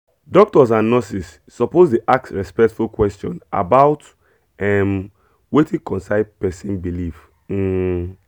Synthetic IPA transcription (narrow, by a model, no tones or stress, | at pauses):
dɔk̚tɔs̬ãnːɔsisːɔpozdeʔaksɹɛspɛktfulkwɛstɔ̰̃na̰baʊt | ɛm | wetʰĩkɔ̃nsaɪdpɛsĩnbilif̩